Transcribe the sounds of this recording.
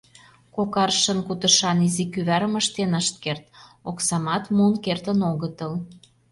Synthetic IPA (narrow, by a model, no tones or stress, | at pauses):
kokɑrʃə̆nkut̪ə̆ʃɑnizikyβæɾəməʃt̪enəʃt̪̚kert̪oksɑmɑt̪munkert̪ənoɣət̪əl